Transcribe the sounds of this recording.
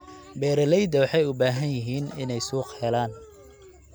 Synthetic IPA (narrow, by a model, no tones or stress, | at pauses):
bɛːɾɐlɛjd̪ɐwɑħɑjʊbaːɦɐnjɪɦiːnɪnɛjsuːqhɛlaːn